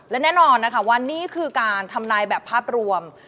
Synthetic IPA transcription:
lɛ˦˥nɛː˥˩nɔː˧nːa˦˥kʰa˥˩wa˧nːiː˦˥˩kʰɯː˧kaː˧nt̪ʰa˧mnaː˧jbɛː˨˩pʰːaː˥˩p̚ɾu˧əm

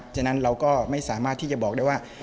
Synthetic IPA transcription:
t͡ɕa˨˩na˦˥nɾa˧wkɔː˥˩ma˥˩jsaː˩˦maː˥˩t̪ʰːiː˥˩t͡ɕa˨˩bɔː˨˩k̚da˥˩waː˥˩

